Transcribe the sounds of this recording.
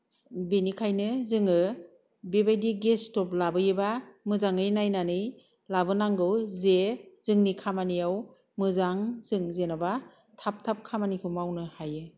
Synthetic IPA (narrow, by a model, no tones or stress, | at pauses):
benikʰajnɯzɯŋɯ | bebajdiɡestɔplabɯjɯbamɯzaŋɯjnajnanɯj | labɯnaŋɡɯwzezɯŋnikʰamanijaw | mɯzaŋzɯŋzenaba | tʰap̚tʰap̚kʰamanikʰɯmawnɯhajɯ